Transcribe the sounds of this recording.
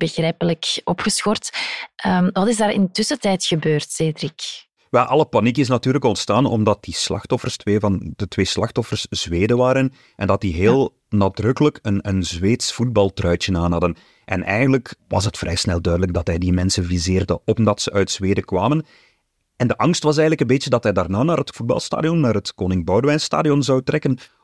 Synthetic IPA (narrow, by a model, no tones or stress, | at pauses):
b̥əɣrɛjpələkɔpxəsxɔrtəmʋɑtɪzdaːɾɪ̰ntʏsətɛjtxəbøːrtseːdɾik | ʋɛlˠʔɑlˠəpɑnikɪs̬nɑtyːrləkɔntstaːnɔ̰mdɑt̚dislɑ̰xtɔfərstweːvɑndətʋeːslɑxtɔfərsz̥ʋeːdəʋaːɾən | ʔɛndɑt̚diɦeːlˠ | naːdrɵkələkənənzʋeːtsfud̚bɑlˠtrœɥt͡ʃənaːnɦɑdən | ʔɛ̰nʔɛ̰jɣəndləkʋɑ̰sɦətfrʔɛ̰jsnɛlˠdœɥdələɡ̚dɑtɦɛjdimɛnsənvizeːrdə̰ɔmdɑtsəʔœɥtz̥ʋeːdəkʋaːmən | ɛndəʔɑŋstʋɑs̬ɛjɣələkənbeːt͡ʃədɑtɦɛjdaːrnaːnaːɾɦətfud̚bɑ̰lˠsta̰ːdiɔnːaːɾətkoːnɪŋbɔwdəʋɛjnsta̰ːdijɔnzɑwtrɛkən